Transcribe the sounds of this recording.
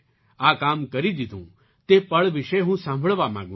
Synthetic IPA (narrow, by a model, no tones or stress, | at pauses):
aːkaːmkɐɾid̪ɪd̪ʱũː | t̪eːpɐɭʋɪʃeɦũːsãːmbʱəɭʋamã̰ːɡũ